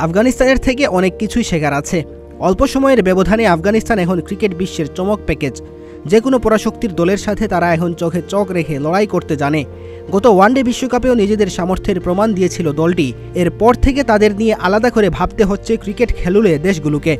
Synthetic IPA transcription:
afɡanist̪aneɾt̪ʰekeʔɔnekːit͡ɕʰujʃekʰaɾat͡ɕʰe | ɔlpoʃɔmɔeɾbɛbod̪ʱaneafɡanist̪anɛkʰonkɾikeʈ̚biʃːeɾt͡ɕɔmok̚pɛked͡ʑ | d͡ʑekonopɔɾaʃokt̪iɾd̪ɔleɾʃat̪ʰet̪aɾaɛkʰont͡ɕɔkʰet͡ɕɔkɾekʰelɔɽajkoɾt̪ed͡ʑane | ɡɔt̪owaɳɖebiʃːokapeonid͡ʑed̪eɾʃamoɾt̪ʰeɾpɾomand̪ijet͡ɕʰilod̪ɔlʈi | eɾpɔɾt̪ʰek̬et̪ad̪eɾnijeʔalad̪akoɾebʱab̚t̪eɦotːɕʰekɾikeʈkʰeluled̪eʃ̬ɡuluke

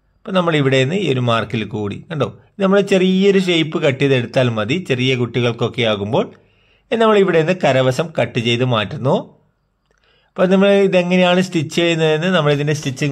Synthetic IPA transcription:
pːoːnɐmːɐɭiʋiɽeenːɨioɾumaːrkilkuːɽḭɐɳɖoː | nɐmːɐɭet͡ɕe̞rijɐo̞ɾuʂ̬ejpːɨkɐʈːijɐðe̞ɽut̪ːaːlmɐðit͡ɕe̞rijɐkuʈːiɣɐɭko̞kːejaːɣumbo̞ːɭ | nɐmːɐɭiʋiɽeenːɨkɐɾɐʋɐsɐmkɐʈːɨt͡ɕe̞jt̪ːumaːtːunːuoː | pːoːnɐmːɐɭiðe̞ŋːɐne̞jaːɳɨst̪it͡ɕːejunːɐðenːɨnɐmːɐɭiðindestit͡ɕːɨ

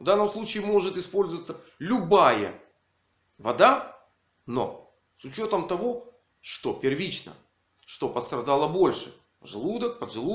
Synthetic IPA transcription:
vd̪anːəmslˠut͡ɕɪːmo̞ʐɨt̪ɪspo̞lʲzəvət̪səlʲʊbajə̰ | vɐd̪a | no̞̰ | sʊt͡ɕot̪əmt̪ɐvo̞ | ʂt̪o̞pʲɪrvʲit͡ɕnə̰ | ʂt̪o̞pəst̪ɾɐd̪alˠəbo̞lʲʂɨ̰ | ʐɨlˠud̪ək̚pəd̪ʐɨlˠu

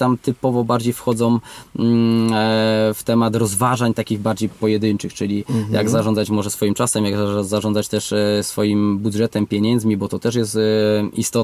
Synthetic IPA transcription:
t̪amt̪ɘpɔvɔbaɾd͡ʑejfxɔd̪zɔ̃w̃ | ft̪ɛmat̪ɾɔzvaʐaɲt̪akʲiɣbaɾd͡ʑejpɔjɛd̪ɘnt͡ʂɘxt͡ʂɘlʲija̰ɡzaʐɔndzat͡ɕmɔʐɛsfɔjimt͡ʂasɛmjaɡzaʐɔnd̪at͡ɕt̪ɛʂsfɔjimbudʐɛt̪ɛmpʲjeɲɛnzmʲibɔt̪ɔt̪ɛʂ̬jɛst̪ist̪ɔ

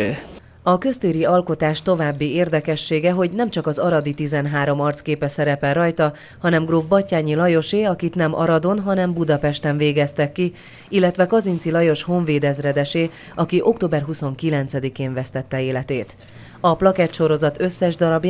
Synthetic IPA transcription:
ɒkø̞st̪eːɾiɒlko̞t̪aːʃt̪o̞vaːbːieːrd̪ɛkɛʃːeːɡɛɦo̞ɟnɛmt͡ʃɒkɒzɒɾɒd̪it̪izɛnɦaːɾo̞mɒrt̪skeːpɛsɛɾɛpɛlrɒjt̪ɒ | hɒnɛmɡroːvbɒcːaːɲilɒjo̞ʃeːɒkit̪nɛmʔɒ̰ɾɒd̪o̞nɦɒnɛmbud̪ɒpɛʃt̪ɛɱveːɡɛst̪ɛkːi | ilːɛt̪ʋɛkɒzint̪silɒjo̞ʃho̞ɱveːd̪ɛzrɛd̪ɛʃeː | ɒkiʔo̞kt̪oːbɛrɦuso̞ŋkilɛnt̪sɛd̪ikeːɱvɛst̪ɛt̪ːɛeːlɛt̪eːt̪ | ɒplɒkɛt̪ʃo̞ɾo̞zɒt̪ø̞sːɛʒd̪ɒɾɒbj

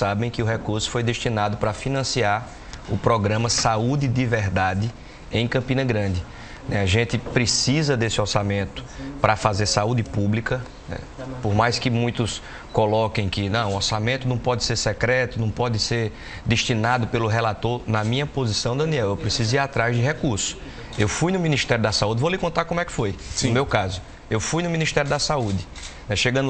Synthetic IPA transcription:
sabẽj̃kɪʊɦekuɾsʊ̥fojd̪eʃt̪inad̪ʊpɾɐfinɐ̃siaɾ | ʊpɾɔɡɾɐ̃mɐsaud̪ɪd̪ivɛɦd̪ad̪ɪ | ẽj̃kɐ̃pĩnɐɡɾɐ̃d̪ɪ | nɛaʒẽt̪ɪpɾesizɐd̪esɪɔɾsamẽnt̪ʊ̥pɾɐfazeɾsaud̪ɪpublikɐ | nɛ̰ | poɾmajskɪmũj̃t̪ʊs | kɔlɔkẽj̃kɪnɐ̃w̃ʊɔɾsamẽnt̪ʊnɐ̃w̃pɔd̪ɪseɾsɛkɾɛt̪ʊnɐ̃w̃pɔd̪ɪseɾ | d̪eʃt̪inad̪ʊpelʊɦelat̪oɾnɐmĩɲɐpozisɐ̃w̃d̪ɐ̃niɛwewpɾesizʊiɾat̪ɾazd͡ʒɪɦekuɾsʊ̥ | ewfujnʊmĩniʃt̪ɛɾjʊd̪ɐsaud̪ɪvolɪkõnt̪akõmʊɛkɪ̥fojʊmewkazʊ | ewfujnʊmĩniʃt̪ɛɾjʊd̪ɐsaud̪ɪnɛʃeɡɐ̃d̪

